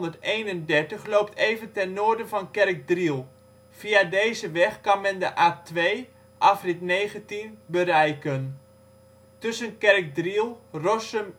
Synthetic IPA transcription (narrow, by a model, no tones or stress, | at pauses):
ndəɹtejnəndɛɹtəχlowp̚tʰejvəntɛnːoːɹdəvɑnkɛrk̚drilˠ | fiadejzəʋɛχkɑnmɛndəʔaːtʋej | ʔafrɪtnejχəntinbəɾɛjkən | tɵsənkɛrk̚drilˠrɔsəm